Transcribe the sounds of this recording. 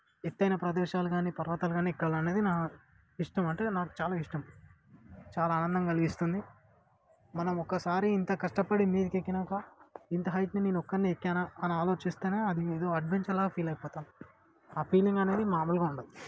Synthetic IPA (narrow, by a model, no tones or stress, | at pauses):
et̪ːɐjnɐpɾɐd̪ɛːʃaːluɡaːnipɐɾʋɐt̪aːluɡaːnikːɐlɐne̞ːd̪inaː | iʂʈɐmɐɳʈe̞ːnaːku̥t͡ʃaːlaːiʂʈɐm | t͡ʃaːlaːnɐnd̪ɐmkɐliɡist̪und̪i | mɐnɐmɔkːɐsaːɾiːnt̪ɐkɐʂʈɐpɐɽimiːd̪ikekːinɐːkɐint̪ɐɦɐjt̪nineːnɔkːɐnniekːaːnaɐniaːlo̞ːt͡ʃist̪eːne̞ːɐd̪ieːd̪o̞ːɐɖʋeɲt͡ʃɐlaːɡɐpʰiːlɐjpɔːt̪aːi | apʰiːliŋɡɐne̞ːd̪imaːmulɡaːuɳɖɐd̪i